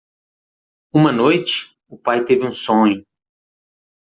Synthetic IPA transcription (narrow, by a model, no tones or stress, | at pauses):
ũmɐnojt͡ʃɪ̥ | ʊpajt̪evɪũsõɲʊ